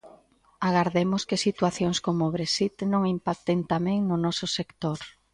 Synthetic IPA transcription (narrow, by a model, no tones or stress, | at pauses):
aɣaɾðemʊskɪsit̪waθjoŋskomʊβɾesit̪nõŋimpak̚t̪ent̪amɛ̃ŋnʊnɔsʊsekt̪oɾ